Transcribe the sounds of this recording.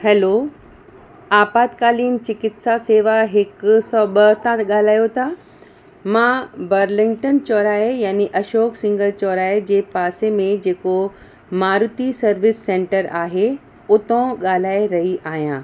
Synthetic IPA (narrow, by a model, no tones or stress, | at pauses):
hɛːloː | aːbaːd̪kaːliːn̆t͡ɕɪkɪt̪saseːʋaɦɪksɔːɓɐt̪ʰãɠaːl̤aːjot̪ʰa | mãːbɐɾlɪ̃ŋɡʈənt͡ɕɔːɾaːejaːniʔɐʃoːksɪ̃ŋɡəlt͡ɕɔːɾaːed͡ʑeːpaːsemẽd͡ʑeːko | maːɾʊt̪isɐɾʋɪsːẽːɳʈəɾaːɦe | ʊt̪õɠaːl̤aːeɾɐɦiʔaːɦijãː